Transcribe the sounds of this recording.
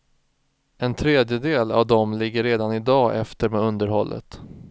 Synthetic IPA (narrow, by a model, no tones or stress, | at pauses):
ɛnt̪ʰɾeːd̪jəd̪eːla̰vd̪ɔmlɪɡːəɾːeːd̪anɪd̪ɑːʔɛft̪əɾmɛːɵnd̪əɾhɔlːə̰t̪